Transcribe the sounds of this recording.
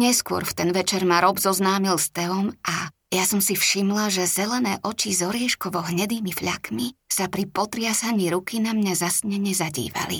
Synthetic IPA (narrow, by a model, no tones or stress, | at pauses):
ɲɛskʊɔ̰ɾft̪ɛnʋɛt͡ʃɛɾmaɾɔbzɔznaːmilst̪ɛɔmʔa | jasɔmsifʃimlaʒɛz̥ɛlɛnɛːʔɔt͡ʃizɔɾiɛʃkɔʋɔɦɲɛd̪iːmifʎakmisapɾipɔt̪ɾɪasaɲiːɾukinamɲazasɲɛɲɛzaɟḭːʋa̰lḭ